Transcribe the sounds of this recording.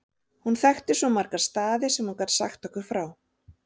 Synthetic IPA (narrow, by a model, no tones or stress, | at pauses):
hunθɛxt̪ɪ̥sɔmaɾkḁst̪aːðɪsɛmhunkat̪sa̰xt̪ɔkʏɾ̥fɾaːw